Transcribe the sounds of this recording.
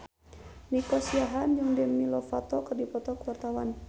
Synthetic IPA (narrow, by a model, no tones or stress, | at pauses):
nikɔsiaɦand͡ʒɨŋdɛmnilɔfat̪ɔkərdipɔt̪ɔkuwart̪awan